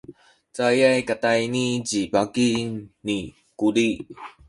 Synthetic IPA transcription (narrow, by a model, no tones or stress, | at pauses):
t͡sajajkat̪ajnid͡ʑibakini | kuli